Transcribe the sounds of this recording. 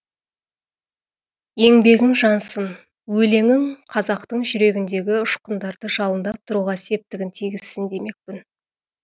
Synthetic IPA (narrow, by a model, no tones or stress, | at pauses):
je̞ŋbe̞ɡʲɪŋʒɑnsən | wɵle̞ŋɪŋqʰɑzɑqt̪əɴʒʏɾe̞ɡʲɪnd̪e̞ɡʲɪʊʃqənd̪ɑɾd̪əʒɑlˠənd̪ɑp̚t̪ʰʊɾuʁɑse̞p̚t̪ɪɡʲɪnt̪ʰiɡʲɪzsɪnd̪e̞me̞k̚pɪn